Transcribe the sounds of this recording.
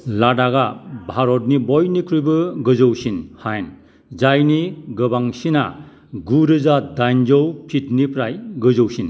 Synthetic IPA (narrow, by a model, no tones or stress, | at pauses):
ladaɡabʱaɾɔt̚nibɔjnikʰɾujbɯɡɯzɯwsinhajn | zajniɡɯbaŋsina̰ | ɡuɾɯzadajnd͡ʒɔwpʰit̚nipʰɾajɡɯzɯwsin